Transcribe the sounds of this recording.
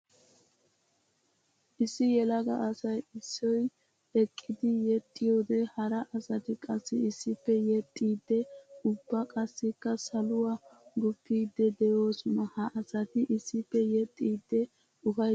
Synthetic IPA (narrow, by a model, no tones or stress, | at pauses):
ʔɪsːɪjɛlɐɡɐʔɐsɐjɪsːɔj | ɛkʼːɪd̪ɪjɛt̪ʼːɪjo̞ːd̪ɛhɐɾɐʔɐsɐt̪ɪkʼɐsːɪɪsːɪpːɛjɛt̪ʼːiːd̪ːɛʊbːɐkʼɐsːɪkːɐsɐlʊwaːɡʊpːiːd̪ːɛd̪ɛjo̞ːsʊnɐhɐʔɐsɐt̪ɪʔɪsːɪpːɛjɛt̪ʼːiːd̪ːɛ | ʊfɐj